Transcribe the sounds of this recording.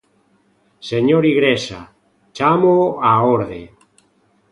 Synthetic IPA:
seɲoɾiɣɾesa̰ | t͡ʃamoaoɾðḛ

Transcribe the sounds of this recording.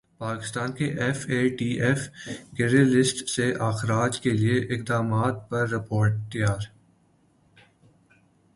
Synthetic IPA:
paːkɪ̥st̪aːnkeʔɛfeːʈiːʔɛfkeɾelɪsʈseʔaːxɾaːd͡ʒkelieʔɪkd̪aːmaːt̪̚pɐɾːɪpoːɾʈ̚t̪ijaːɾ

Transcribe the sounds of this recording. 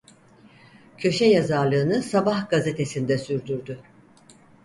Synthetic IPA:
cʰø̞ʃɛjazaɾlˠɯːnɯsabahɡaze̞t̪ʰe̞sind̪ɛsyɾd̪yɾd̪y

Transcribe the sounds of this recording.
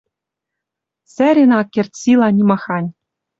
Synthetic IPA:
sʲæɾʲenɑkʲːerʲt̪ʲsʲilˠɑnʲimɑxɑnʲ

